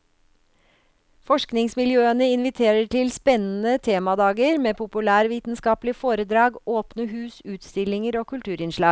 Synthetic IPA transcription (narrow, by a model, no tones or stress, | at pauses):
fɔʂknɪŋsmɪljøːənəɪnʋɪt̪ʰeːɾəʈɪlspɛnːn̩ət̪ʰeːmɑd̪ɑːɡəɾmeːpʰʊpʉlæːɾʋiːt̪n̩skɑːplɪəfoːɾəd̪ɾɑːɡoːpnəɦʉːsʉːt̪st̪ɪlɪŋəɾoːkʉlt̪ʰʉːɾɪnʂlɑːɡ